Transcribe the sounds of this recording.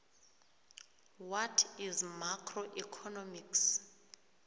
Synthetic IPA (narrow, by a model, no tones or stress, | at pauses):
watʰizmakʰroʔikʰɔnɔmiks